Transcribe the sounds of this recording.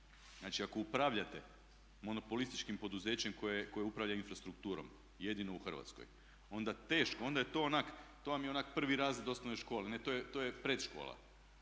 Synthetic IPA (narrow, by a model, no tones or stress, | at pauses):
znaːt͡ʃiako̞upɾaʋʎat̪e̞ | mo̞no̞po̞list̪i̥t͡ʃkimpo̞d̪uze̞ːt͡ɕe̞mko̞jeko̞jeupɾaʋʎainfɾast̪ɾukt̪uːɾo̰m | je̞d̪ino̞uxr̩ʋa̰t̪sko̰j | o̞nd̪at̪e̞ːʃkoo̞nd̪ajet̪o̞onakt̪o̞ːʋamjeo̞nakpr̩ʋiɾaːzlid̪o̞st̪anoeʃko̞ːlene̞t̪ojet̪o̞ːjepɾet̪ʃko̞̰ːla̰